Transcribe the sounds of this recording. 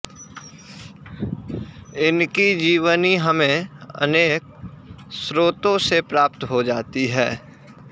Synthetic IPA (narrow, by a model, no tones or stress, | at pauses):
ɪnkid͡ʒiːʋəniɦɐmẽə̰neːk̚sɾoːt̪õsepɾaːpt̪ɦod͡ʒaːt̪iɦɛː